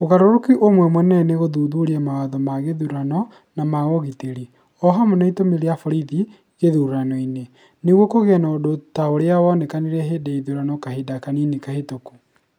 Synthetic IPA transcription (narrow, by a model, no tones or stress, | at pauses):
oɣaɾoɾokiʔomwɛmwɛnɛneɣoðuðuɾiamawaðɔmaɣeðuɾanɔ | namaɣɔɣiteɾi | ɔɦamɔnaitomeɾeafɔɾiði | ɣeðuɾɾanɔine | neɣwɔkoɣeɛnaodotaoɾeawɔnekaniɾɛɦedeiðuɾanɔkahedakaninikahetoku